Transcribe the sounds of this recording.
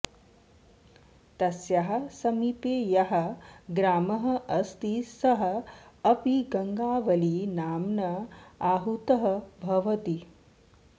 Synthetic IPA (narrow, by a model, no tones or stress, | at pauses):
t̪ɐsjaɦɐ̆sɐmiːpeːjɐɦɐ̆ɡɾaːmɐɦɐɐst̪isɐɦɐ̆ːpiɡɐŋɡaːʋɐliːnaːmnɐaɦut̪ɐɦɐ̆bʱɐʋɐt̪i